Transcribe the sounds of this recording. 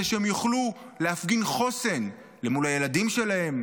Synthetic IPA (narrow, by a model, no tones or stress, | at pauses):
eʃeemjuχluleafɡinχo̞se̞n | le̞mulhaje̞ladimʃe̞lahe̞m